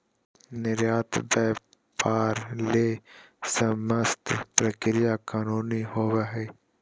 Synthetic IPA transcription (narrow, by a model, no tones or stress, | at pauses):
nɪɾjaːt̪bɛː | paːɾleːsəməst̪ʰpɾəkɾɪjakaːnuːniɦoːwaɦeː